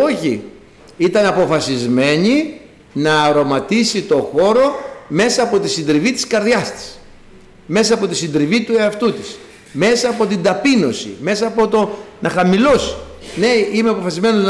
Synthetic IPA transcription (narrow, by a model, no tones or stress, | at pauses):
oçḭ | it̪ɐnɐpo̞fɐsizme̞ɲi | nɐːɾo̞mɐt̪isit̪o̞xo̞ɾo̞me̞sɐːpot̪isind̪ɾivit̪i̥skɐɾðʝɐst̪i̥s | me̞sɐːpo̞t̪isind̪ɾivit̪ueɐft̪ut̪is | me̞sɐːpo̞t̪ind̪ɐpino̞sḭme̞sɐːpo̞t̪o̞nʔɐxɐmilo̞si̥ne̞imeɐpo̞fɐsizme̞noz